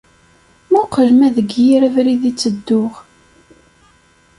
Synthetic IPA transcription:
mʊqːəʒmæðəɡjiɾævɾiðit͡sːəd̪ːʊʁ

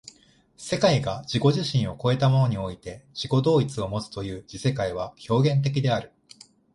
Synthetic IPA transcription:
se̞kaiɡad͡ʑ̥iko̞ʑiɕĩɰ̃o̞ko̞e̞t̪amo̞no̞ɲ̟io̞it̪e̞ʑ̥iko̞d̪o̞ːit͡sɨo̞mo̞t͡sɨ̥t̪o̞jɯ̟ːd͡ʑise̞kaiβ̞aço̞ːɡẽ̞nt̪̬e̞kʲid̪e̞aɾɯ̟

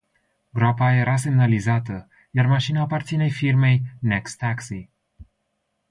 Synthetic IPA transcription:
ɡɾoapaje̞ɾʔas̬e̞mnalizat̪ə | jarmaʃinaːpart̪sine̞firme̞jnekst̪aksi

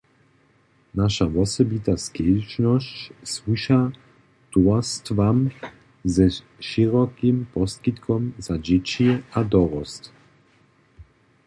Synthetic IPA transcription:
naʃavɔsɔbit̪askɛlit͡ʃnɔɕt͡ɕsvuʃa | t̪uast̪vam | zɛ | ʃiɾɔkimpɔskit̪kɔmzad͡ʑɛt͡ɕiad̪ɔʁɔst̪

